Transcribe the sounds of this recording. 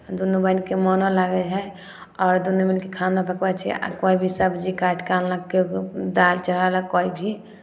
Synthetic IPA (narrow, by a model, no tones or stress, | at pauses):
d̪unobankemɔnolaɡɛɦɛ | ɔːɾd̪unuminkekʰanapəkbat͡ʃʰɛ̰a̰koibʱisəbd͡ʒikaʈkallaked̪alt͡ʃəlalakoibʱi